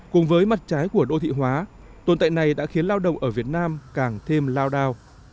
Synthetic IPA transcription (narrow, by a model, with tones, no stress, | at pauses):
kʊ˨˩ŋ͡mvəː˨˦jma˨˩t̚t͡ɕaː˨˦jku˧˩əɗo̰˧t̪ʰḭ˧˨ɦwaː˨˦ | t̪o˨˩nt̪a̰˧˨jna˨˩jɗa̰ː˧˥xi˨˦ənlaː˧wɗə̰˧˨wŋ͡mʔəː˧˩vi˨˩ət̚naː˧mkaː˨˩ŋt̪ʰe˧mlaː˧wɗaː˧w